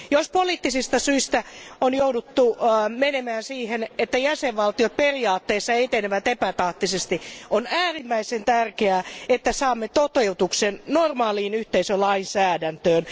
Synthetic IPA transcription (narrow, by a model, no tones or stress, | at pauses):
jospoliːt̪ːisist̪ɑsyist̪æonjoudut̪ːumenemæːnsiːhenet̪ːæjæseʋʋɑlt̪iot̪̚periɑːt̪ːeːsːɑet̪eneʋæt̪epæt̪ɑht̪isest̪iʔonæːrimːæisent̪ærkeæːet̪ːæsɑːmːet̪ot̪eut̪uksennormɑːliːnyht̪eisølɑinsæːdænt̪øːn